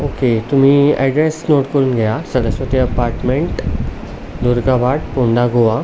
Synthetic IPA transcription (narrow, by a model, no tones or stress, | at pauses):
oket̪um̤iːa̰jɖɾesnoʈkoɾunɡəjasəɽəsʋət̪iəpaɾʈmẽɳʈ | d̪uɾɡabaʈpõɳd̪aɡʱoʋa